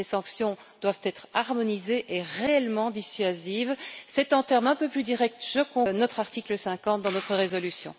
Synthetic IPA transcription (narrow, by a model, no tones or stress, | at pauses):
esɑ̃ksjɔ̃ | d̪̥wavt̪ɛt̪χaʁmɔnizeʔeʁeɛlmɑ̃d̪isɥazivsɛt̪ɑ̃t̪ɛʁmɛ̃pøplyd̪iʁɛk̚t̪ʒəkɔ̃nɔt̪χaʁt̪ikləsɛ̃kɑ̃t̪̚d̪ɑ̃nɔt̪χəʁezɔlysjɔ̰̃